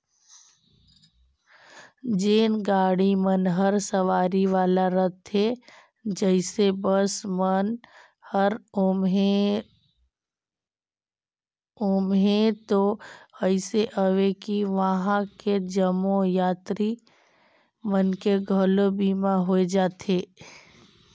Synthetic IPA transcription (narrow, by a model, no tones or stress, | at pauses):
d͡ʒeːnɡaːɽimənɦəɾsəʋaːɾiʋaːlaɾət̪ɦe | d͡ʒəɪsebəsmən | həɾ | ʊmɦẽt̪oəɪseʔəʋekiʋəɦãked͡ʒəmõjaːt̪ɾi | mənkeɡʱəlobiːmaɦoed͡ʒaːt̪eː